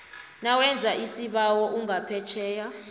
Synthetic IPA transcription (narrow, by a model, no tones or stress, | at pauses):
nawɛnd͡zʱaʔisiɓawɔʔuŋapʰɛt͡ʃʰɛːja